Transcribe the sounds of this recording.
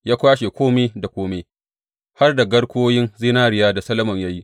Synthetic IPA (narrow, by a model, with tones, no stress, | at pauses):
jaː˦kʷaː˦ʃe˨kʷoː˦meː˦da˨kʷoː˦meː˦ | ha˦rda˨ɡɐ˦ɽkʷoː˦jɪ˦nzi˦naː˦ɽɪ˨jaː˦da˨sɐ˦lɐ˦mɔ˨ɲja˦ji˦ʔ